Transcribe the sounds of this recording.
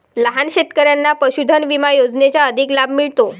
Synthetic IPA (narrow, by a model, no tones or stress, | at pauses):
ləɦanɕet̪kəɾjanːapəɕud̪ʱənʋimajod͡znet͡ɕjaəd̪ʱiklabʱmiɭt̪o